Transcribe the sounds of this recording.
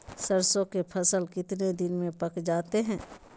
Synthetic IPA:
səɾsõkepʰɐsəlkɪt̪ned̪ɪnmẽpɐkd͡ʒaːt̪eɦɛ̃ː

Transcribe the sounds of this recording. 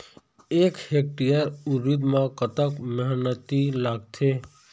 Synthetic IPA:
eːkhek̚ʈijəɾuɾid̪mãkət̪əkməɦnət̪ilaːɡ̚t̪ʰe

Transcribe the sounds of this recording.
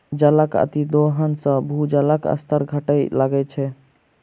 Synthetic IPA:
d͡ʒələkə̰t̪id̪oɦənsə̃bʱud͡ʒələkə̰st̪ʰəɾɡʱəʈəjlaɡɛt͡ʃʰɛ

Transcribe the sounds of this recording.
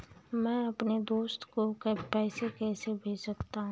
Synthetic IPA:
mɛ̃ːɐpned̪oːst̪kokpɛːsekɛːsebʱeːd͡ʒsɐkt̪aɦũː

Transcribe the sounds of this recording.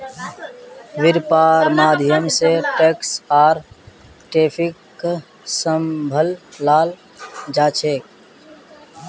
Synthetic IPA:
ʋɪɾpaːɾmaːd̪ʱjəmseʈeksaːɾ | ʈeːpʰɪk | səmbʱəlːaːl | d͡ʒaːt͡ʃʰeːk

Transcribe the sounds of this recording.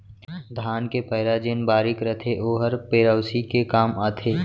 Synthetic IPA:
d̪ʱaːnkepɐɦɪɾaːd͡ʒeːnbaːɾɪkɾət̪ʰeʔoːɦəɾpeːɾəːsikekaːmaːt̪ʰeː

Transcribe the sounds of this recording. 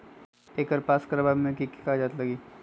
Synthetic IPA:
ekəɾpaskəɾbabmẽkiki̥kad͡ʒaːt̪ləɡiː

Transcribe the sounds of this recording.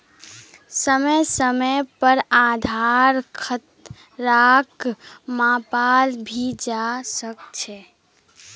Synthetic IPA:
səməsəməpəɾad̪ʱaɾkʰət̪ | ɾakmãpalbʱid͡ʒasək̚t͡ʃʰɛ

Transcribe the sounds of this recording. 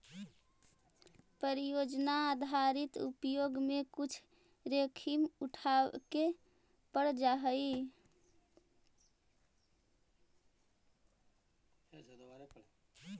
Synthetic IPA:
pəɾijod͡ʒnaːd̪ʱaɾit̪ṵpjoɡmekut͡ʃʰ | ɾekʰimuʈʰake | pəɽd͡ʒaɦəi

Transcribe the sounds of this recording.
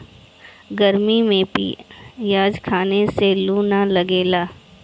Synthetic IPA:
ɡɐɾmimẽpḭːjaːd͡ʒkʰaːneseluːnalɐɡeːlaː

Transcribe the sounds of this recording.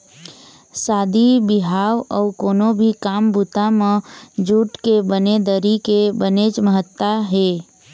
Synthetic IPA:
saːd̪ibɪɦaːʋɔːkoːnobʱikaːmbut̪amẽd͡ʒuːʈkebəned̪əɾikebəned͡ʒməɦət̪ːaɦeː

